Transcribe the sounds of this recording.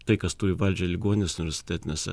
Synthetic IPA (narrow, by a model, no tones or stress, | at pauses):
t̪ɐɪkɐst̪uːɪʋɐlʲd͡ʒʲɛlʲɪɡuɔnʲɪnʲeːsʊnʲɪʋʲɛɾʲsʲɪ̥t̪ʲæːt̪ʲɪnʲeːsʲɛ